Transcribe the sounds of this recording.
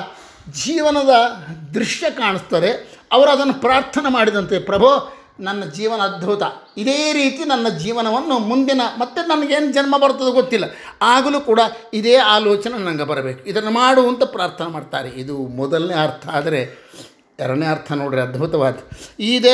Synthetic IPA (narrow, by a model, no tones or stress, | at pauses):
d͡ʒiːʋɐnɐd̪ɐd̪ɾiʂjɐkaːɳist̪ɐd̪e̞ | ɐʋɐɾuɐd̪ɐnːupɾaːɾt̪ʰɐnɐmaːɽid̪ɐnt̪epɾɐbʱo | nɐnːɐd͡ʒiːʋɐnɐːd̪̚bʱut̪ɐid̪e̞ːɾiːt̪inɐnːɐd͡ʒiːʋɐnɐʋɐnːumund̪inɐmɐt̪ːenɐnɐɡe̞ːnud͡ʒɐnmɐbɐɾt̪ɐd̪uɡot̪ːilːɐ | aːɡɐlukuːɽɐid̪eːaːloːt͡ʃɐnenɐŋɡɐbɐɾɐbe̞ːkuid̪ɐnːumaːɽuːɐnt̪ɐpɾaːɾt̪ʰɐnɐmaːɖt̪a̰ːɾeid̪umɔd̪ɐlneːɐɾt̪ʰɐaːd̪ɐɾe̞ | ɛɾɐɳeːɐɾt̪ʰɐnoːɽiɾeɐd̪bʱut̪ɐʋaːɡiiːd̪e